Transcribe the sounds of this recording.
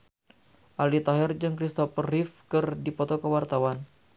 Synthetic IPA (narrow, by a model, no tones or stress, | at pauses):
ʔalit̪aɦɛrd͡ʒɨŋkɾist̪ɔfərifkɨrdipɔt̪ɔkəwart̪awan